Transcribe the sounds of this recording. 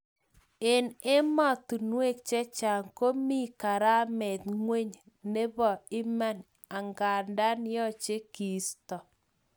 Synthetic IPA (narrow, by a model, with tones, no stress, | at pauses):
ɪ˨nɪ˦mɔ˦˨tu˨nwe˦k̚t͡ʃɛ˦t͡ʃa˨ŋko˦mi˦˨ka˨ɾa˦mɛ˨t̪ŋwe˦ɲ | ne˦βɔ˨ɪ˦ma˦n | a˨ŋɡa˨nda˦n˦jɔ˦t͡ʃe˦ki˨˦stɔ˨